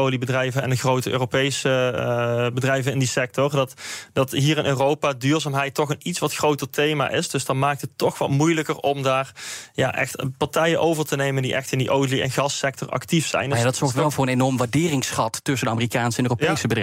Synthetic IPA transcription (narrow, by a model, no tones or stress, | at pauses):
owlibədrɛjvənɛndəɣrowtəʔøːropejsə | bədrɛjvənɪndisɛk̚tɔrdɑtdɑtɦiːrɪnʔøːrowpaːdyːɹzaːmɦɛjtːɔxənitsʋɑtxrowtərtejma̰ʔɪsd̥ɵsdɑnmaːk̚tətːɔxʋɑ̰tmujləkərɔmdaːrja̰ːʔɛ̰xtpɑɹtɛjənʔowvəɹtənejməndiʔɛxtɪndiʔowliɛ̰nɣɑsɛk̚tɔɹɑ̰ktifsɛ̰jnjadɑtsɔɹxtʋɛlˠvʊːɹənenɔɹmʋaːɹdɪːrɪŋsχɑttɵsəndəaːmərikaːnsəɛnøːropejsəbədrɛ